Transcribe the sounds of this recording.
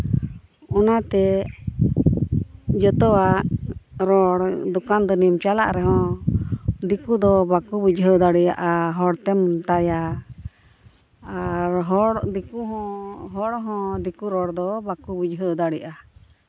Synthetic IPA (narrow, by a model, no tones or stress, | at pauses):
ɔnat̪ɛ | d͡ʒɔt̪ɔwaʔɾɔɽd̪ɔkand̪ɔnimt͡ʃala̰ʔɾɛɦɔ̃ | d̪ikud̪ɔbakubid͡ʒɦəd̪aɽɛja̰ʔaɦɔɽt̪ɛmt̪aja | ɾɦɔɽd̪ikuɦɔ̃ɦɔɽɦɔ̃d̪ikuɾɔɽd̪ɔbakubid͡ʒɦəd̪aɽɛʔa